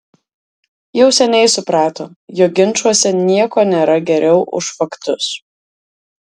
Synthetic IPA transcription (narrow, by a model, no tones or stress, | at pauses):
jɛʊsʲɛnʲɛɪsʊpɾɑːt̪oːjoːɡʲɪnʲˑt͡ʃuɔsʲɛnʲiɛkoːnʲeːɾɐɡʲɛɾʲɛʊʔʊ̰ʃfɐkt̪ʊs